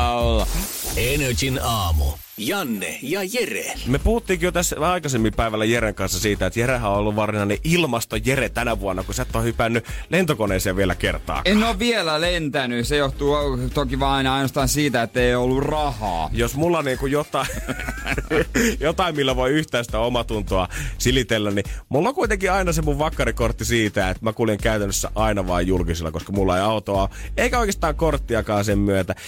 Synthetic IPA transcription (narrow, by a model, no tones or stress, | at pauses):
ɑolːɑenøt̪ʲinɑːmṵ | jɑnːḛjɑjerḛlmepuhut̪ːiːkijot̪æsɑikɑsemːimpæiʋælːæjeɾeŋkɑnsːɑsiːt̪æet̪jeræhæõolːuʋʋɑrsinɑneʔilmɑst̪ojeret̪ænæʋuonːɑkusæt̪ːohypænːylent̪okoneːseɑʋielækḛrt̪ɑ̰ːkennːoʋʋielælent̪ænysejoht̪uːt̪okiʋɑːɑinɑinost̪ɑːnsiːt̪æet̪ːeiolːurɑhɑ̰ːjosmulːɑniːŋkujot̪ɑˑi | jot̪ɑˑimmilːæʋoiyht̪æˑːst̪æomɑt̪unt̪oɑsilit̪elːænnimulːɑkuit̪eŋkiɑinɑsemuʋʋɑkːɑɾikort̪ːisiːt̪æet̪mækuliŋkæyt̪ænːøsːæ̰ʔɑinɑʋɑijjulkisilːɑ̰koskɑmulːɑeiɑut̪oɑeikæoikest̪ɑːŋkort̪ːiɑkɑːnsemmyøt̪æ